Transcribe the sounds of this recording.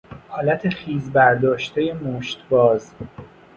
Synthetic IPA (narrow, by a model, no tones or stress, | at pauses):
hɒːlæt̪ʰe̞χiːzbæɾd̪ɒːʃt̪ʰeje̞moʃt̪bɒːz